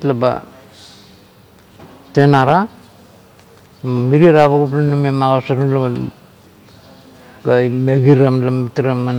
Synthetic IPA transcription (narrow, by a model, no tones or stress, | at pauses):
tlaba̰ | te̞naɾa | amiɾiaɾaβaɡuplanumemaɣasaɾulaa | ɡaimeɡiɾamlamitiɾamːan